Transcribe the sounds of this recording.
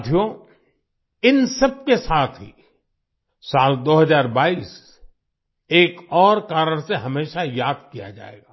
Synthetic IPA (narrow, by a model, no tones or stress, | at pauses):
d̪ʱjo | ɪnsɐb̚kesaːt̪ʰɦḭ | saːld̪oːɦɐzaːɾbaːiːs | eːkɔːɾkaːɾəɽ̃seɦɐmeːʃajaːd̪̚kija̰d͡ʒa̰ːḛːɡaː